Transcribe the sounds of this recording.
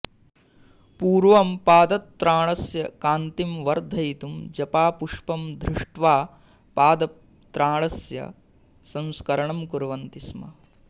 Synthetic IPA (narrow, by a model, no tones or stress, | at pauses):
puːɾʋɐmpaːd̪ɐt̪ːɾaːɭɐsjɐkaːnt̪imʋɐɾd̪ʱɐjt̪umd͡ʒɐpaːpuʂpɐmd̪ɾiʂʈʋaː | paːd̪ɐ | t̪ɾaːɳɐsjɐ̰ | sɐ̃nskɐɾɐɳɐmkuɾɐʋɐnt̪ismɐ̰